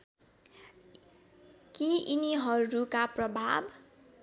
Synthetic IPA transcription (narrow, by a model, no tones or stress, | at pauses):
kiiniɦʌɾukaprʌbʱab